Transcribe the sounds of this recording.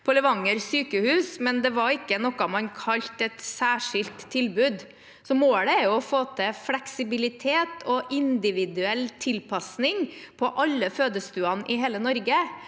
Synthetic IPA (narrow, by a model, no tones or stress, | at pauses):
pʰɔlɛʋɑŋːəɾsyːkəhʉːsmɛnd̪ɛʋɑɾɪkːənɔkːɑmɑnkʰɑʎt̪ɛt̪sæːʂɪlt̪ʰːɪlbʉːd̪ | sɔmoːɽəɛɾjʊɔfoːt̪ʰəflɛksɪbɪlɪt̪ʰeːt̪ʰɔʔɪnd̪ɪʋɪd̪ʉɛlːt̪ʰɪlpʰɑsnɪŋpʰɔʔɑlːəføːd̪əst̪ʉːɑnɪɦeːlənɔɾɡə